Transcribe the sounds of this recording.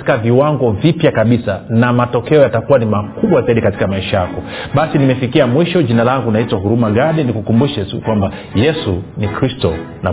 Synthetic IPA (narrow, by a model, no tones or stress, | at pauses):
tikaviwaŋɡɔvipjakaɓisanamatɔkɛɔjatakuwanimakuɓwazaiɗikati̥kamaiʃajakɔɓasinimɛfikiamwiʃɔʄinalaŋɡunaitwahuɾumaɠaɗɛnikukumbuʃɛtṵkwamba | jɛsunikɾistɔna̰